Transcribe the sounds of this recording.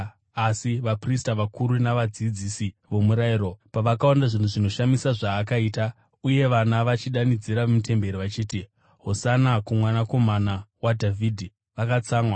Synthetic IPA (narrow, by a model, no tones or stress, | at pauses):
asiʋapristaʋakuɾunaʋad͡zid͡zisiʋo̞muɾaiɾo̞paʋakawandaʐin̤uʐino̞ʃamisaʐaːkaiːta | uje̞ʋanaʋat͡ʃiɗanid͡ziɾaʋemite̞mbe̞ɾiʋat͡ʃiːti | ɦo̞sanakumwanako̞manawadʱavʱidʱi | ʋakat͡saːŋwa